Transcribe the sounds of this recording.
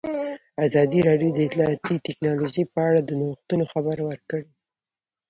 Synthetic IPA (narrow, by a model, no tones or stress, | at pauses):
azɑd̪iɾɑɖjod̪əɪt̪lɑɑt̪it̪ɪknɑloʒəpəaɽad̪ənoxt̪unoxabaɾwəɾkəɽe